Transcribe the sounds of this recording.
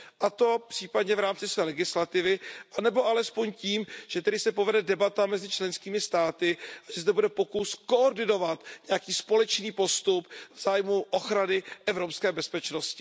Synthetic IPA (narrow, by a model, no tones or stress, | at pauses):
ʔat̪o̞pr̝̥iːpadɲɛvɾaːmt͡sɪsvɛːlɛɡɪslat̪ɪvɪʔanɛbo̞ʔalɛspo̞ɲciːmʒ̥ɛt̪ɛdɪsɛpovɛdɛdɛbat̪amɛzɪt͡ʃlɛnskiːmɪst̪aːt̪ɪʔaʒɛzd̪ɛbudɛpo̞kuskooɾdɪno̞vat̪ɲɛjakiːspo̞lɛt͡ʃniːpo̞st̪upvz̥aːjmuʔoxɾanɪʔɛvɾo̞pskɛːbɛspɛt͡ʃnoscɪ̥